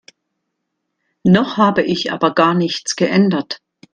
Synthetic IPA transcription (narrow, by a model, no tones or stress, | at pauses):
nɔχhaːbəʔɪçʔa̰ːbɐɡaːɐnɪçt͡sɡ̥əʔɛndɐt